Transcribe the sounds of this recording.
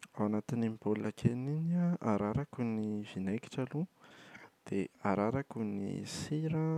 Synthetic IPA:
awanat̪inimbolakʰeninaaɾaɾakuniv̥inajki̥ʈ͡ʂalu | d̪̥eaɾaɾakunḭsiɾa

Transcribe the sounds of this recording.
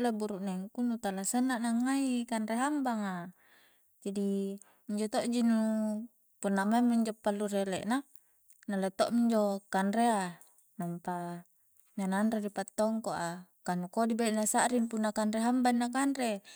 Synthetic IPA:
lebuɾuʔnaŋkunut̪alasanːaʔnaŋːaikanɾeɦambaŋa | d͡ʒadi | iɲd͡ʒot̪oʔd͡ʒinu | punːamamːiɲd͡ʒopːalːureleʔna | nalet̪oʔmiɲd͡ʒokanɾea | nampa | ɲananɾedipat̪ːɔŋkoʔakanukodibaiʔnasaʔɾinpunːakanreɦambanːakanre

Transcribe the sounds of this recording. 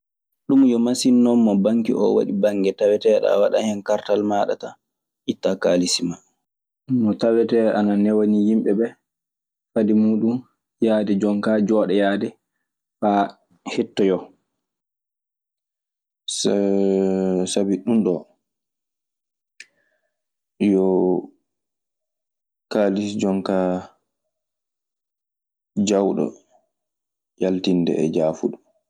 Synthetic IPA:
ɗumjɔmasinːɔmːɔbaŋkḭʔɔ̰wa̰ɗibaŋɡɛtawɛtɛɗa̰waɗa̰hɛnkaɾtalmaɗa̰ta | ʔitːakaːlisima | mɔtawɛtɛʔananɛwonijimɓɛɓɛ | fadimuːɗum | jaːdɛd͡ʒɔŋkad͡ʒɔːɗɛjaːdɛ | fa | hɛtːɔjɔ | s | sabiɗumɗɔ | jɔ | kaːlisd͡ʒɔŋka | d͡ʒawɗɔ̰ | jaltindɛ̰ɛ̰d͡ʒaːfuɗu

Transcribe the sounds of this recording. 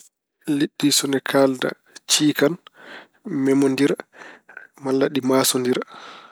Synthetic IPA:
liɗːisɔnɛkʰaːlda̰ | t͡ʃiːkan | mɛmondiɾ | malːaɗimaːsɔndiɾ

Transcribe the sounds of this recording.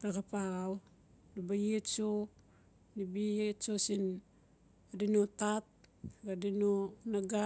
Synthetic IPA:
ɾaɡapaɣaw | ɾibajett͡ʃo | nibijetsosin | dinotat̚ɡadinonaɡa

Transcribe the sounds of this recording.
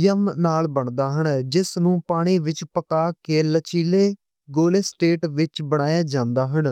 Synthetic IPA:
jəmnaːlbəɳd̪aːɦənd͡ʒɪsnũːpaːɽ̃iːʋɪt͡ʃpəkaːkeːlət͡ʃiːleː | ɡoːleːsʈeːʈʋɪt͡ʃbəɽ̃aːjaːd͡ʒãːnd̪aːɦən

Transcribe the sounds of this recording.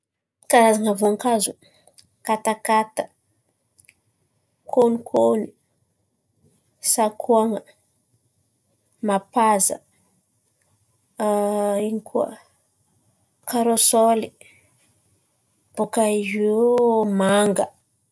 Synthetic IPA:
kaɾazaŋavuaŋkazu | kat̪akat̪ə̥ | kʰonikʰoni | sakʰuaŋə | mapazə̰ | iɲikʰuə̰ | kaɾosoli | b̥okaiimaŋɡə

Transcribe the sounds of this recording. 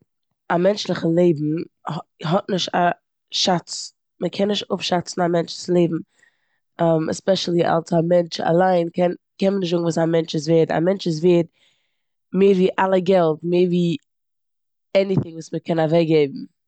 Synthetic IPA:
amɛnt͡ʃlˠɪχəlˠeɪbm̩ | ɦɔt̚nɪʃta | ʃat͡s | məkʰɛnːɪʃtʊpʃat͡sn̩amɛnt͡ʃlɪslˠeɪbm̩ | ɛmɛ̰spɛʃl̩ˠiʔa̰lˠsamɛnt͡ʃa̰lˠaɪnkʰɛnkɛnmənɪʃ̬tzʊɡŋ̩vuːsamɛnt͡ʃɪzveːta̰mɛnt͡ʃɪz̬veːt̚ | meːɾviːʔalˠəɡɛlˠtmeːɾviː | ɛniθɪŋvuːsməkʰɛnavɛkɡeɪbm̩

